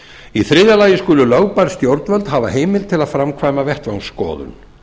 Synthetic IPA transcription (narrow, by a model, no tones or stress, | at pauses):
iθɾɪðjalaːjɪskʏːlʏlawpaɾ̥st̪jowɾt̪nvœlt̪ɦaːvaɦeːjmɪlt̪ʰɪlaðfɾamkʰvaːjmavɛht̪vawnskɔ̰ːðʏ̰n